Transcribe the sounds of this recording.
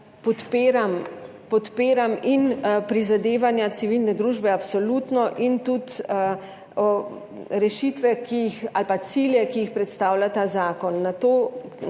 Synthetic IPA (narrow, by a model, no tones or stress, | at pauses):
pɔt̪peːɾam | pɔt̪peːɾaminpɾizad̪eːʋanjasiʋilnɛd̪ɾuːʒbɛapsɔluːt̪nɔʔint̪ut̪ | ɾɛʃit̪ʋɛkijixalpat̪siljɛkijixpɾɛt̪st̪aːwlat̪azaːkɔnːat̪oː